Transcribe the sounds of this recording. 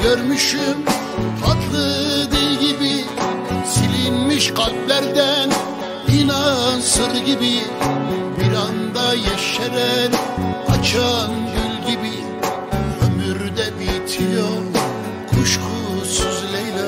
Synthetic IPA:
ɡøɾmyʃym | hat̪lˠɯd̪ɯɾɟibi | silʲinmiʃɡalʲblʲæɾd̪æn | inansɯɾɟibi | biɾand̪ajaʃɛɾæɾat͡ʃʰanɟylʲɟibi | ømyɾyd̪ɛbit̪ʰilo | kʰuʃkʰusyzlejlɛ

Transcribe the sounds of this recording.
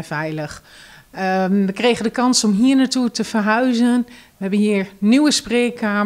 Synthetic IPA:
fɛjləxəʋəkreːɣəndəkɑnsɔmɦiəɹnatutəfərɦœɥzənʋəɦɛbənɦiːəɹnywəspreːkʰaː

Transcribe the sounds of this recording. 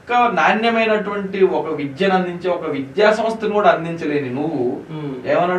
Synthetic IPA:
kɐnaːnjɐmɐjnɐʈuʋɐɳʈiɔkɐʋid̪jɐnɐnd̪iɲt͡ʃeːɔkɐʋid̪jaːsɐmst̪ɐnikuːɽaːnd̪iɲt͡ʃɐle̞ːninuʋueːmɐnːaː

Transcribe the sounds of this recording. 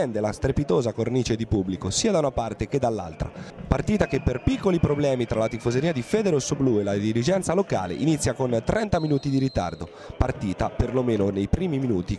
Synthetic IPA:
ɛnd̪elast̪ɾepit̪oːzakorniːt͡ʃed̪ipubːlikosiːad̪aunapart̪eked̪alːa̰lt̪ɾa̰part̪iːt̪akepːerpikːolipɾoblɛːmit̪ɾʔalat̪ifozeɾiːad̪ifɛːd̪eɾosobluelad̪ilid͡ʒɛnt̪saloka̰ːlḛʔinit̪sːjakont̪ɾɛnt̪aminuːt̪id̪iɾit̪a̰rd̪o | part̪iːt̪aperlomeːnonejpɾiːmiminuːt̪i

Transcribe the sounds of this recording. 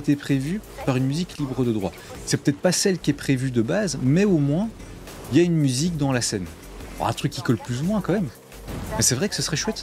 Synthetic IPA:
et̪epχevypaʁynmyziklibʁəd̪əd̪ʁwa̰ | sɛpø̥t̪ɛt̪χpasɛlkʲiɛpχevyd̪əbazmɛomwɛ̃ | iljaynmyzik̚d̪ɑ̃lasɛn | ɔ̰ʁɛ̰̃t̪χykʲːikɔlplyzumwɛ̃kɑ̃mɛm | mɛsɛvʁɛkə̥səsəʁɛʃwɛt̪

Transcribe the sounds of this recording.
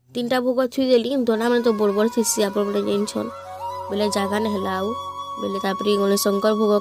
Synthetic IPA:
t̪inʈabʱoɡɔt̪ʰujdelid̪ʱɔnamanet̪̬ɔbɔɽbɔɾt̪ʰisiapɔɾmɔned͡ʒent͡ʃʰɔ̰n | beled͡ʒaɡanɦelawbelet̪apɔɾiɡɔlesɔŋkɔɾbʱoɡɔ

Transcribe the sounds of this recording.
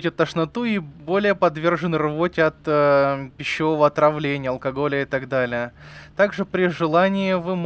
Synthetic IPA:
tʲɪt̪ːəʂnɐt̪uibo̞lʲɪjəpɐd̪vʲe̞rʐɨnrvotʲɪɐt̪əpʲɪɕːɪvo̞vəɐt̪ɾɐvlʲenʲɪjəɐlˠkɐɡo̞lʲɪəɪt̪ɐɡd̪alʲɪjət̪aɡʐɨpɾʲɪʐɨlˠanʲɪjɪvɨm

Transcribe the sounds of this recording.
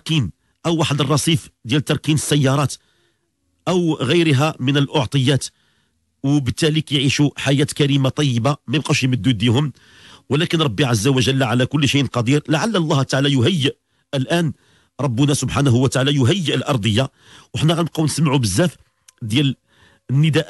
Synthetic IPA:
ɾˤkin | ʔəwːaħəd̪ərˤːɑsˤifd̪jælt̪ːɑɾˤkinəsːæjːɑɾˤɑt̪ | ʔəwɣəjɾɦæmənəlʔoʕt̪ˤəjːæt̪ | wbət̪ːælikjʕiʃuħajæt̪kæɾimat̪ˤɑjːəbamæjəb̚qæʃjməd̪ːud̪ihʊm | wlækənɾˤɑbːiʕazːæwəʒəlːʕalækʊlːʃijʔənqɑd̪iɾlaʕalːælˤːɑht̪ːaʕalæjʊɦæjːəʔ | əlʔæn | ɾˤɑbːənæsʊbħanæɦʊwət̪aʕalæjʊɦəjːəʔəlʔɑɾˤd̪ˤəjːa | wəħnæɣæləquwnəsmʕubəzːæf | d̪jæl | ənːəd̪æʔ

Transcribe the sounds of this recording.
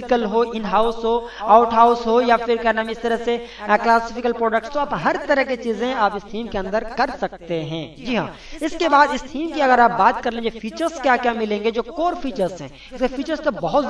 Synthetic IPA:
kəlɦoʔɪnɦaːʊsɦo | aːʊʈɦaːʊsɦojafɪɾkɐɾnaːmẽɪst̪əɾəseklaːsɪfɪkəlpɾoːɖək̚ʈst̪oaːbɦɐɾt̪ɐɾəɦket͡ʃiːzẽaːpɪst̪ʰiːmkeɐ̃nd̪əɾkɐɾsɐk̚t̪eɦɛ̰̃ːd͡ʒiːɦã̰ː | ɪskebaːd̪ɪst̪ʰiːmkiɐɡəɾaːp̚baːt̪kɐɾlẽːd͡ʒefʰiːt͡ʃəɾzkjaːkjamɪlẽːŋɡed͡ʒoːkoːɾfʰiːt͡ʃəɾzɦɛ̃ː | ɪskefiːt͡ʃəɾst̪obɐɦʊt̪

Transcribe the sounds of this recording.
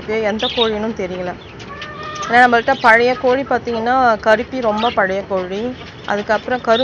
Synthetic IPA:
ɯkːɯɛnd̪ɐkoːɻɪnɯ̃mt̪ɛɾɪjɐlɐ | eːnːaːnɐmbɐkɯʈːaːpɐɻɐjɐkoːɻipaːɾt̪iːŋɡɐnːaːkɐɾɯpːiɾɔmbɐpɐɻɐjɐkoːɻi | ʔɐ̰ðɯkːɐpːɯɾɔ̃kɐɾɯ

